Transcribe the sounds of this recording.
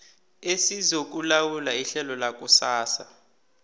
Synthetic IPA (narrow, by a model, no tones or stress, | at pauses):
esizok̬ulawulaiɬɛlɔlak̬ʼusaːsa̰